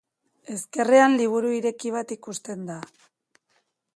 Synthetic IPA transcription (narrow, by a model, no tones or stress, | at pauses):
e̞ske̞reanliβ̞uɾuiɾe̞kiβ̞at̪ikust̪e̞nd̪a